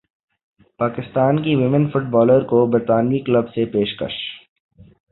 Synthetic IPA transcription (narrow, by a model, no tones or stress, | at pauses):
paːkɪst̪aːnkiʋɪmə̃nfʊʈ̚bɔːləɾkobəɾt̪aːnjikləbsepeːʃkə̰ʃ